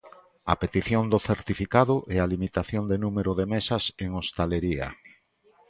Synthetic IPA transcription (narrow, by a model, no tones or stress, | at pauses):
ɐ̰pet̪iθjond̪oθeɾt̪ifikaðʊʔealimit̪aθjond̪enumeɾoðemesaseŋost̪aleɾiɐ̰